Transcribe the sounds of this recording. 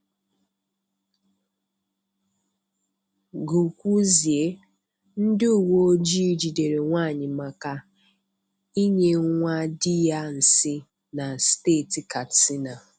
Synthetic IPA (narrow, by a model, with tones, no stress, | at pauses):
ɡu˨kʷu˦zi˨e˦ | n̩˦dɪ˦u˨wo˦o˦d͡ʒi˦d͡ʒi˨de˨ɾe˨ŋʷaː˦˨ɲɪ˨ma˨ka˦ | i˦ɲe˦ŋʷa˦dɪ˦ja˦n̩˨sɪ˦ | na˨steː˦˨ti˨ka˨tsi˦na˨